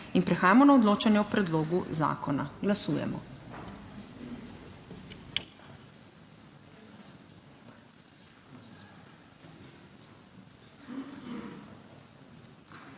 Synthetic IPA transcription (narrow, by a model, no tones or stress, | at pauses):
inpɾɛxaːjamɔnaɔd̪loːt͡ʃanjɛupɾɛd̪loːɡuza̰ːkʰɔna̰ɡlasuːjɛ̰mɔ̰